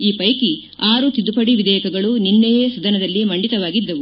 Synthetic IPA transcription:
iːpɐjki | aːɾut̪id̪upɐɽiʋid̪ɛːjɐkɐɡɐɭuninːejeːsɐd̪ɐnɐd̪ɐlːimɐɳɖit̪ɐʋaːɡid̪ːɐʋu

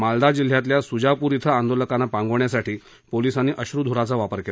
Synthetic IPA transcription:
mald̪ad͡ʑil̤jat̪̬ljasud͡ʑapuɾit̪ʰəand̪oləkanːapãŋɡəʋɳjasaʈiː | polisanːiʔəɕɾud̪ʱuɾat͡saʋapəɾkel

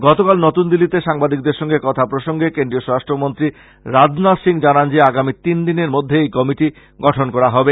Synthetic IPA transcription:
ɡɔt̪okalnot̪und̪ilːit̪eʃaŋbad̪ik̚d̪eɾʃɔŋɡekɔt̪ʰapɾoʃoŋɡekendɾioʃɔɾaʃʈɾomont̪ɾi | ɾad͡ʑnasiŋd͡ʑanand͡ʑeaɡamit̪ind̪ineɾmod̪ʱːeejkɔmiʈi | ɡɔʈʰonkɔɾaɦɔbe

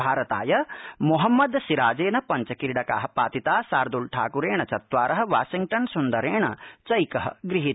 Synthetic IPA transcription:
aːɾɐt̪aːjɐmuɦɐmːɐd̪siɾaːd͡ʒeːnɐpɐɲt͡ʃɐkiɾiɽɐka̰ːɦɐ̆paːt̪it̪aːsaːɾd̪ulʈʰa̰ːkuɾeːɳɐt͡ʃɐt̪ʋaːɾɐɦɐ̆ʋaːʃiŋɡʈɐnsund̪ɐɾeːɳɐt͡ʃɐjkɐɦɐ̰ɡɾiɦit̪

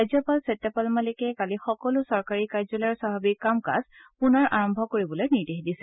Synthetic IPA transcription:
ajzɔpalsetːɔpalmalikɛkalixɔkɔlʊsɔɹkaɹikajzɔlaɹsababikkːamka̰zpunɔɹʔaɹɔmbʱɔkoɹibɔlojniɹdeɦdisɛ

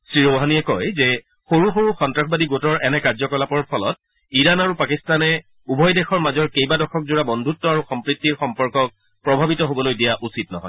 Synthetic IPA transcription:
sɹiɹoɦaniɛkɔjzɛ | xoɹuxoɹuxɔntɹaxʰbadiɡotɔɹʔɛnɛkaɹzɔkɔlapɔɹpʰɔlɔt̚ | iɹanaɹupakistanɛ | ubʱɔjdɛxɔɹmazɔɹkejbadɔkʰɔk̚zuɹabɔndʱutːɔaɹuxɔmpɹitːiɹxɔmpɔɹkɔk̚ | pɹɔbʱabitɔɦobɔlojdijaʔusit̚nɔɦɔ̰j

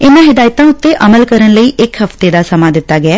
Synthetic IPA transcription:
ɪnãːɦɪd̪aːjt̪ãːʊt̪ːeːʔəməlkəɾənləiːʔɪkɦəft̪eːd̪aːsəmãːd̪ɪt̪ːaːɡɪɛː

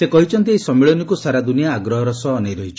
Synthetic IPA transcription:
ekɔɦit͡ʃʰɔnt̪iejsɔmiɭɔnɔkusaɾad̪unijaːɡɾɔɦɔɾɔsɔːnajɾɔɦit͡ʃʰɔ̥

